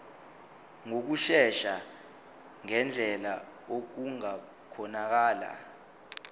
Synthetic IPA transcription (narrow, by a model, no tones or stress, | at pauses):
ŋok̬uʃɛʃa | ŋɛnd͡ɮʱɛla | ok̬uŋa | kʰɔnak̬aːla̰